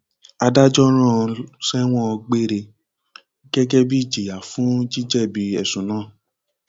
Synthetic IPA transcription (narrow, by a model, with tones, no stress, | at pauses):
a˧da˦d͡ʒɔ˦ɾ̃ã˦˨˧sɛ˦w̃ɔ̃˦ɔ˧ɡ͡be˦˨ɾe˧ | ɡɛ˦ɡɛ˦bi˦˨d͡ʒi˨ja˨fũ˨˦d͡ʒi˦d͡ʒɛ˦˨bi˧ɛ˨sũ˨˦nãː˦˨